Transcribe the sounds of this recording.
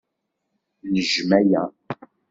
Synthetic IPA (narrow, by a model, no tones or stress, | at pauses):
nəʒmæjæ